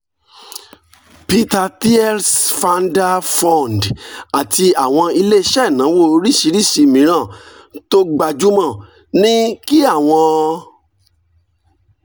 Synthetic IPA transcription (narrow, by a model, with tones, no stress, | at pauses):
pi˦ta˧ti˦ɛ˦lsfa˧nda˦fɔ̃˦˨n˨da˨ti˧a˨w̃ɔ̃˧i˧le˦ʃɛ˦˨nã˨˦wo˦˨ɾi˦˨ʃi˧˦ɾi˦˨si˧mĩ˨˦ɾ̃ã˦˨ | to˦ɡ͡ba˧˨d͡ʒu˦mã˦˨ | nĩ˦ki˦a˦˨w̃ɔ̃˧